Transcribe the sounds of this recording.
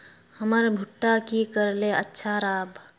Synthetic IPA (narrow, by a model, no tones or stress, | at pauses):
həməɾbʱuʈːakikəɾleətːʃʰaɾaːbʱ